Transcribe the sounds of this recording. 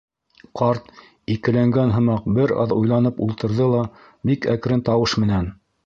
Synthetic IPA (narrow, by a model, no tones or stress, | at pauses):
qɑɾt̪ | ikɘ̆læŋɡænɦɤ̆mɑq̚bɘɾɑ̰ðujlˠɑnɤpulˠt̪ɤ̆ɾðɤlˠɑ | bikækɾɘnt̪ɑwɤʃmɘ̆næn